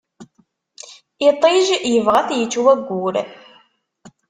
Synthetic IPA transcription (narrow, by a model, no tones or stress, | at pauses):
ɪt̪ˤɪʒjəvʁæθjət͡sːwæɡʷːuɾ